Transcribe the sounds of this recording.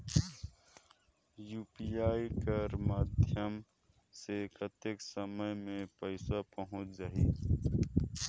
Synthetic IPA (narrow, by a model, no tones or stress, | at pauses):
juːpiaːikəɾmaːd̪ʱjəm | sepət̪jeksəməjmẽpəɪsapəɦʊ̃t͡ʃzɐɦiː